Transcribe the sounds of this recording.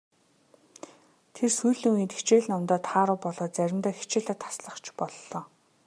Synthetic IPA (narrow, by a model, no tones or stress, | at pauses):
t̪ʰersujɮɵ̆ŋiːt̪e̥t͡ɕeːɮnɔmt̪ɔːt̪ʰχaːɾʊːpɔɮɔːt͡sæɾʲɪ̆mt̪œːxi̥t͡ɕeːɮaːt̪ʰḁsɮə̆χt͡ɕʰpɔɮːɔː